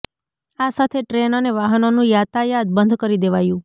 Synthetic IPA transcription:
asat̪ʰeʈɾenaneʋaɦənonũjat̪ʰajad̪̚bənd̪ʱkəɾid̪eʋajũ

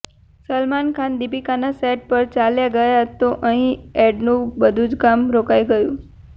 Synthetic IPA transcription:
səlmankʰand̪ipikanasɛʈ̚pəɾt͡ʃaljaɡəjat̪oʔəɦĩɛɖnũbəd̪ʱũd͡ʒkamɾokajɡəjũ

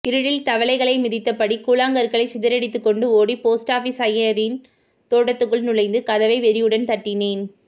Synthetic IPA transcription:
ɪɾɯɻɪlt̪ɐʋɐɭɐɪɣɐɭɐɪmɪðɪt̪ːɐpːɐɽikuːlaːŋɡɐɾɣɐɭɐɪsɪðɐɾɛɽɪt̪ːɯkːɔɳɖɯoːɽipoːsʈaːfisɐjɐɾɪn | t̪oːɽɐt̪ːɯkːɯɭnʊɻɐɪnd̪ɯkɐðɐʋɐɪʋɛɾɪjɯɽɐnt̪ɐʈːɪneːn

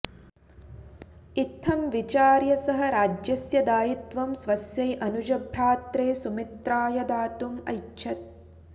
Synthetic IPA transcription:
it̪ʰːɐmʋit͡ʃaːɾjɐsɐɦɐɾaːd͡ʒjɐsjɐd̪aːjit̪ʋɐmsʋɐsjɐjʔɐnud͡ʒɐbʱɾaːt̪ɾeːsumit̪ɾaːjɐd̪aːt̪umɐ̰jʃʰɐt̪̚

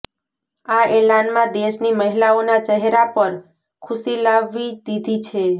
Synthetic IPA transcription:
aelanmãd̪eʃniməɦilaonat͡ʃəɦɾapəɾ | kʰʊsilaʋːid̪id̪ʱit͡ʃʰe

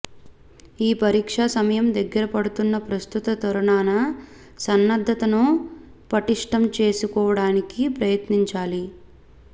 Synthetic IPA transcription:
iːpɐɾiːkʂaːsɐmɐjɐmd̪ɐɡːɐɾɐpɐɽut̪unːɐpɾɐst̪ut̪ɐt̪ɐɾuɳaːnɐ | sɐnːɐd̪ʱːɐt̪ɐnupɐʈiʂʈɐmt͡ʃe̞ːsukɔːʋɐɽaːnikipɾɐjɐt̪niɲt͡ʃaːli

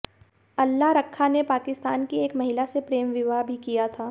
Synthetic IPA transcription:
ɐlːaɦɾɐkʰːanepaːkɪst̪aːnkieːkmɐɦɪlasepɾeːmʋɪʋaːbʱikijat̪ʰaː

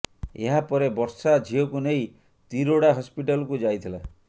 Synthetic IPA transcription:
ḛɦapɔɾebɔɾsad͡ʒʱiɔkunej | t̪iɾoɽaɦɔspiʈalɔkud͡ʒajt̪ʰila

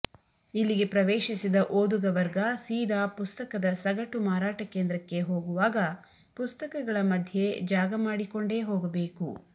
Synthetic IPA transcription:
ilːiɡe̞pɾɐʋeːʃisid̪ɐʔoːd̪uɡɐʋɐɾɡɐsiːd̪aːpust̪ɐkɐd̪ɐsɐɡɐʈumaːɾaːʈɐkeːnd̪ɾɐkːe̞ɦo̞ːɡuʋaːɡɐ | pust̪ɐkɐɡɐɭɐmɐd̪ʱje̞d͡ʒaːɡɐmaːɽiko̞ɳɖe̞ːɦoːɡɐbe̞ːku

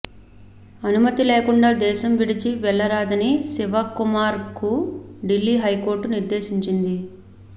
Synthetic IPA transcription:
ɐnumɐt̪ileːkuɳɖaːd̪ɛːʃɐmʋiɽit͡ʃiʋɛɭːɐɾaːd̪ɐnisiʋɐkumaːɾkuɖilːiːɦɐjko̞ːɾʈːuniɾd̪e̞ːʃiɲt͡ʃind̪i

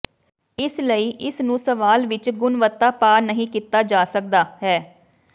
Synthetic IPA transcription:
ɪsləiːʔɪsnũːsəʋaːlʋɪt͡ʃɡʊnʋət̪ːaːpaːnəɦĩːkiːt̪aːd͡ʒaːsək̚d̪aːɦɛː

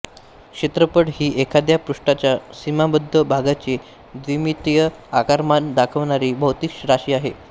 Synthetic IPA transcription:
kɕet̪ɾəpəɽɦiːʔekʰad̪japɾuʂʈat͡ɕjasimabəd̪ʱːəbʱaɡat͡ɕe | d̪ʋimit̪jəakaɾmand̪akʰəʋɳ̃aɾiːbʱəɦt̪iːkɕɾaɕiːaɦe

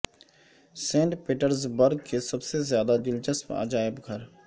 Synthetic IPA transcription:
sẽːɳʈpeːʈəɾzbɐɾɡ̚kesɐbsezjaːd̪ad͡ʒɪld͡ʒəsma̰ːd͡ʒaːɪbɡʱɐɾ

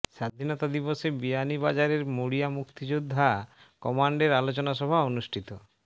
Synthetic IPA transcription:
ʃad̪ʱinɔt̪ad̪iboʃebijanibad͡ʑaɾeɾmoɽijamukt̪id͡ʑud̪ʱːa | kɔmaɳɖeɾalot͡ɕonaʃ̬ɔbʱaonuʃʈʰit̪o

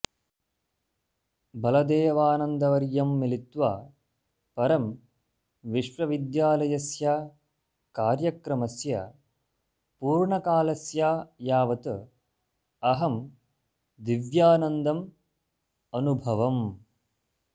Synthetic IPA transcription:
bɐlɐd̪eːʋaːnɐnd̪ɐʋɐɾjɐmːilit̪ʋaː | pɐɾɐm | ʋiʃʋɐʋid̪jaːlɐjɐsjaː | kaːɾjɐkɾɐmɐsjɐ̰ | puːɾɳɐkaːlɐsjaːjaːʋɐt̪ɨ | ɐɦɐm | d̪iʋjaːnɐnd̪ɐm | ɐnubʱɐʋɐm

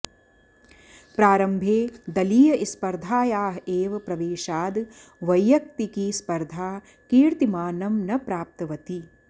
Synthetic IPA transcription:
pɾaːɾɐmbʱeːd̪ɐliːjɐʔispɐɾd̪ʱaːjaːɦeːʋɐpɾɐʋeːʃaːd̪ | ʋɐjːɐk̚t̪ikiːspɐɾd̪ʱaː | kiːɾt̪imaːnɐmnɐpɾaːp̚t̪ɐʋɐt̪i

